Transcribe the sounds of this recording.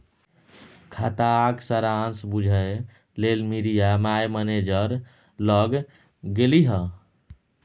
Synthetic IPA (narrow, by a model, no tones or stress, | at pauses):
kʰat̪aksəɾansbud͡ʒʱəe | lelmiɾijamajməned͡ʒəɾ | ləɡ | ɡeliɦə